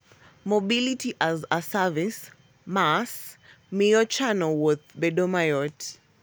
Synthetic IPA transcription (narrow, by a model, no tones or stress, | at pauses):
mɔbilitiʔazəsavis | mas | miɔt͡ʃanɛlwɔðbɛdɔmajɔt